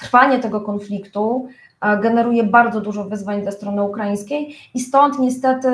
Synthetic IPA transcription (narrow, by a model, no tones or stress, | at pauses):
t̪ɾ̥faɲɛt̪ɛɡɔkɔnflʲikt̪u | ɡɛnɛɾujɛbaɾd̪zɔd̪uʐɔvɘzvaɲzɛst̪ɾɔnɘukɾajĩj̃skʲejist̪ɔnt̪ɲɛst̪ɛt̪ɘ